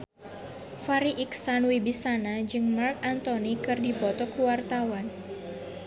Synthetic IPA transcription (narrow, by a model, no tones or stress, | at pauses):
faɾiʔiksanwibisanad͡ʒɨŋmark̚ant̪onikɨrdipɔt̪ɔkuwart̪awan